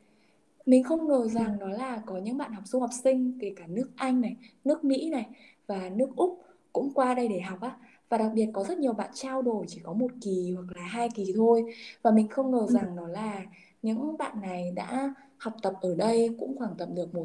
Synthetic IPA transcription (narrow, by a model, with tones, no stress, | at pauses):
mï˨˩ŋ̟xə˧wŋ͡mŋəː˨˩za˨˩ŋɗɔ˨˦laː˨˩kɔ˨˦ɲɨ̰˧˥ŋɓa̰ː˧˨nha˨˩wk͡p̚zu˧ha˨˩wk͡p̚sï˧ŋ̟k̪e˧˩kaː˧˩nɨ˦˥ək̚ʔa˧jŋ̟na˨˩jnɨ˦˥ək̚mḭ˧˥na˨˩j | vaː˨˩nɨ˦˥ək̚ʔʊ˦˥k͡p̚ | kʊ̰˧˥ŋ͡mkwaː˧ɗə˧jɗe˧˩ɦa˨˩wk͡p̚ʔaː˨˦˥ | vaː˨˩ɗa˨˩k̚ɓi˨˩ət̚kɔ˨˦zə˦˥t̚ɲi˨˩əwɓa̰ː˧˨nt͡ɕaː˧wɗo˨˩jt͡ɕi˧˩kɔ˨˦mo˨˩t̚ki˨˩hwa˨˩k̚laː˨˩ɦaː˧jki˨˩t̪ʰo˧jvaː˨˩mï˨˩ŋ̟xə˧wŋ͡mŋəː˨˩za˨˩ŋnɔ˨˦laː˨˩ | ɲɨ̰˧˥ŋɓa̰ː˧˨nːa˨˩jɗa̰ː˧˥ | ha˨˩wk͡p̚t̪ə˨˩p̚ʔəː˧˩ɗə˧jkʊ̰˧˥ŋ͡mxwaː˧˩ŋt̪ə̰˨m̚ɗɨ˨˩ək̚mo˨˩t